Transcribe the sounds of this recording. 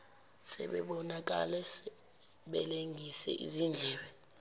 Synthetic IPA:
sɛ̰ɓɛɓɔnak̬a̰lɛsɛ | ɓɛleŋʱisɛ̰ʔḭzind͡ɮʱɛːɓɛ

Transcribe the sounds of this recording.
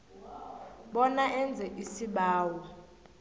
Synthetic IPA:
ɓɔnaʔɛnd͡zʱɛʔisiɓaːwɔ

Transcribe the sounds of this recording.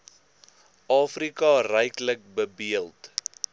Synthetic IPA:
ʔɑːfrikɑrɛjklək̚bəbiəlˠt

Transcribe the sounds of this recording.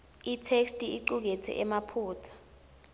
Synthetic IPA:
itʰekstʼiʔiǃuk̬ɛt͡sʰɛ̰ʔɛmapʰuːt͡sʰḁ

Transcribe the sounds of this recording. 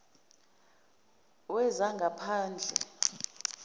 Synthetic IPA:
wɛzaŋɡʱapʰaːnd͡ɮʱɛ̰

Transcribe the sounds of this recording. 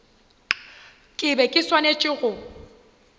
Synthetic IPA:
kʼɪbɛkʼɪswanet͡ʃʼɪɣʊ

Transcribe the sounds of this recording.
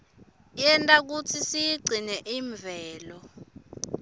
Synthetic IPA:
jɛntʼak̬ut͡sʰisiɡ͡ǀʱinɛʔiːɱb̪vʱɛːlɔ

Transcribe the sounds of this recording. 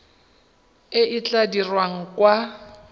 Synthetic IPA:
ɪʔɪt͡ɬʼadirwaŋ̩kʼwa

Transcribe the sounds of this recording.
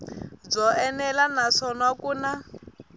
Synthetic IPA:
b͡ʐɔʔɛnɛlanaʂɔnakuːna

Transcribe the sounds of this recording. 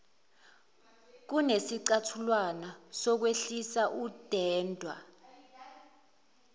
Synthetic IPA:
k̬unesiǀatʰulwanasɔk̬weɬisaʔud̥ʱɛːndʱwa̰

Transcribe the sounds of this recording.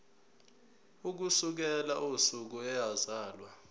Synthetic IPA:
uk̬usuk̬ɛlaʔosuk̬ɔɛjazaːlwa

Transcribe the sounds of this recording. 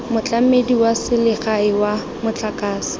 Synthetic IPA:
mʊt͡ɬʼamediwasɪlɪχaɪwa | mʊt͡ɬakʼaːsɪ̥

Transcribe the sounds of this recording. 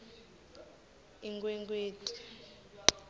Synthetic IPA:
iŋkʼwɛŋkʼweːtʼi̥

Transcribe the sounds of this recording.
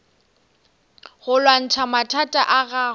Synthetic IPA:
ɣʊlwan̩t͡ʃʰamatʰatʼaʔaɣa

